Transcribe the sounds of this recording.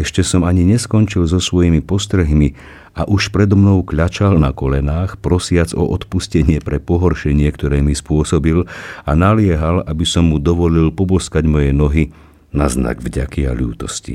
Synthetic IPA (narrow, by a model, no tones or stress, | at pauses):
ɛʃcɛsɔmaɲiɲɛskɔnt͡ʃilzɔsʋɔjimipɔst̪ɾɛɦmi | aʔuʃpɾɛd̪ɔmnɔʊkʎat͡ʃalnakɔlɛnaːxpɾɔsɪad͡zɔ̰ʔɔt̪puscɛɲɪɛpɾɛpɔɦɔɾʃɛɲɪɛkt̪ɔɾɛːmispʊɔsɔbilanalɪɛɦalabisɔmːud̪ɔʋɔlilpɔbɔskaɟmɔjɛnɔɦi | nazna̰ɡvɟa̰kia̰ʎṵːt̪ɔ̰scḭ